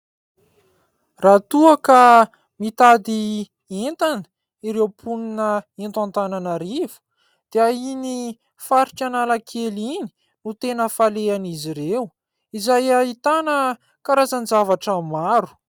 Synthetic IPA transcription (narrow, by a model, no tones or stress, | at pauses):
rat̪uəka | mit̪ad̪i | ent̪anə̥ | iɾewpʰuninəent̪ant̪ananaɾivu̥ | d̪̥eaini | faɾiʈ͡ʂanalakʰelini̥ | nut̪enəfaleaniziɾew | izajait̪anə | kaɾazanizavaʈ͡ʂəmaɾu̥